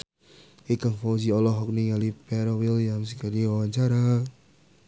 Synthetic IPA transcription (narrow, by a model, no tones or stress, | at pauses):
ekaŋfɔd͡ʒiɔlɔɦɔk̚niŋalipɛɾɔwiljaŋs̬ikaliwawaɲt͡ʃaɾa